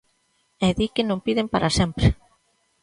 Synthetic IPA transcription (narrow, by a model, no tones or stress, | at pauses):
ɛðikenõmpiðempaɾʔasɛmpɾɪ